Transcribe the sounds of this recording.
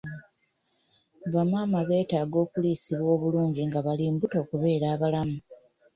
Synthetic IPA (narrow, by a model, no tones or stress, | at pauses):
βamaːmaβe̞ːtaːɡo̞ːkuliːsiβwo̞ːβuluːɲɟiŋɡaβaliːmbuto̞ːkuβe̞ːɾaːβalamu